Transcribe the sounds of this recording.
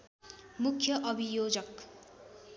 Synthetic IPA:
mukʰjʌʔʌbʱijoːd͡zʌk

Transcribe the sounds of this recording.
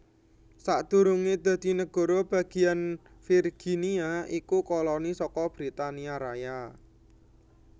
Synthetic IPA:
saʔd̪̥ṳɾuŋed̪̥a̤d̪̥i̤nəɡ̥ɔ̤ɾɔb̥ä̤ɡ̥i̤an | firɡ̥iniaʔikukɔlɔnisɔkɔb̥ɾit̪aniaɾaja

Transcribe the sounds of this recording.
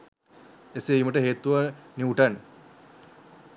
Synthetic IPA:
eseiːməʈəɦeːt̪uʋaniuʈan

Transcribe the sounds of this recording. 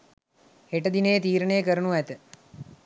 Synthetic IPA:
heʈəd̪inejːt̪iːɾənejəkəɾənuæt̪ə

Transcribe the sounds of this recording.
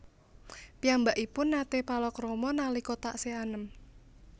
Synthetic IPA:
piambaʔipʊnːat̪epalɔkrɔmɔnalikot̪aʔseanəm

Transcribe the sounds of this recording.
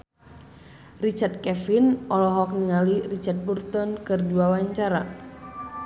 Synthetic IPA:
rit͡ʃard̪̚kɛfinʔɔlɔɦɔk̚niŋalirit͡ʃart̪̚burt̪ɔnkɨrduawaɲt͡ʃaɾa

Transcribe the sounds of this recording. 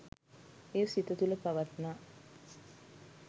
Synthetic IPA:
eːsit̪ət̪uləpaʋat̪naː

